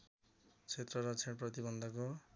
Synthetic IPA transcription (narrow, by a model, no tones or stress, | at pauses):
t͡sʰet̪rʌɾʌt͡sʰeʈprʌt̪ibʌnd̪ʱʌko